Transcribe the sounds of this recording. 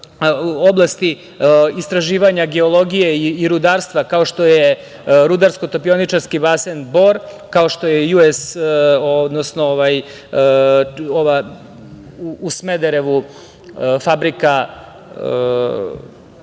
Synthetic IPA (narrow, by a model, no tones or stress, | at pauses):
oblˠast̪i | ist̪ɾaʒiːʋaɲaɡeolˠo̞ɡijeiːɾud̪aːɾst̪ʋakao̞ʃt̪o̞je | ɾud̪aɾsko̞t̪opio̞nit͡ʃaɾskibasenbo̞ɾ | kao̞ʃt̪o̞jejuesod̪nosnooʋaj | oʋa | smed̪eɾeʋu | fabɾika